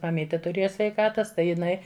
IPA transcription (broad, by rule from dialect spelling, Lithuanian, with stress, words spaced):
mɐˈmʲiːtʲeː tʊˈrʲeːjɛ sʲʋʲɛɪˈkɑːtɐs ˈtɐɪ jɪˈnɐɪ